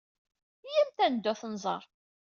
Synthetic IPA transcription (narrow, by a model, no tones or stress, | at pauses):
jæmt̪ænəd̪ːʊθnzˤɑ̰ɾˤ